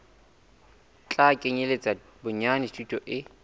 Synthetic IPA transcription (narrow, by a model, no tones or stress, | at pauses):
t͡ɬʼakʼeɲelet͡sʼa | bʊɲanɪstʰʼutʼɔʔɪ